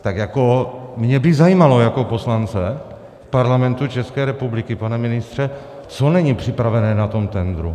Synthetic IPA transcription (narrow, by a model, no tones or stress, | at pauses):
t̪akjakomɲɛbɪzajiːmalo̞jako̞po̞slant͡sɛ | fpaɾlamɛnt̪ut͡ʃɛskɛːɾɛpublɪkɪpanɛmɪnɪst̪r̝̥ɛ | t͡sonɛɲipr̥ɪpɾavɛnɛːnat̪o̞mt̪ɛnd̪ɾṵ